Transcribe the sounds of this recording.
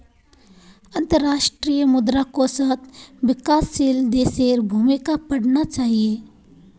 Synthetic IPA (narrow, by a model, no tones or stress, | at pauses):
ɐ̃nt̪əɾːaːʃʈɾijəmʊd̪ɾakosat̪ʰʋɪkaːsːild̪eːseːɾbʱuːmɪkapɐɽnat͡ʃaːɦie